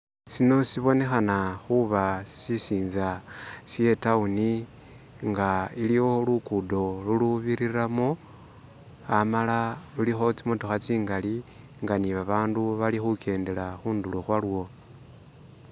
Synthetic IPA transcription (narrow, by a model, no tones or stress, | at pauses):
sino̞siβo̞ne̞xanaxuβasisiːnzasje̞tauni | ŋɡailiwo̞lukudo̞luluβiɾiɾamo | amalalulixo̞t͡simotoxat͡siːŋɡali | ŋɡaniβaβaːnduβalixukʰe̞ːnde̞laxuːnduloxwalwo̞